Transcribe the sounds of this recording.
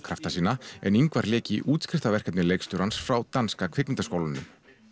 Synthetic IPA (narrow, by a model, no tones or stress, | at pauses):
kʰɾaft̪asiːnaɛ̰niŋkvaɾlɛːcɪʔuːt̪skɾɪ̥ft̪avɛr̥kɛp̪nɪlejkst̪ʏɾansfɾawt̪anskakʰvɪk̪nɪnt̪askoːwlanʏm